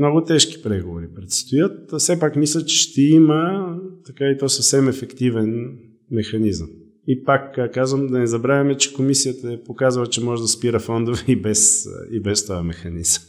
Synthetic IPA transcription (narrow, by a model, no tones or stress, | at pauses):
nɔɡʊt̪ɛʃki̥pɾɛɡovoɾipɾɛt̪st̪ojət̪̚sɛpakmislʲət͡ʃɛ̥ʃt̪ɛimət̪ɐkait̪ɔsəfsɛmɛfɛkt̪ivɛn | mɛxɐnizəm | ipakkazvəmd̪ɐnɛzɐbɾavʲɐmɛt͡ʃɛ̥komisijət̪əɛpokazəlˠət͡ʃɛmɔʒɛd̪ɐspiɾəfɔnd̪ovɛibɛsibɛst̪ɔjɐmɛxɐniz̥əm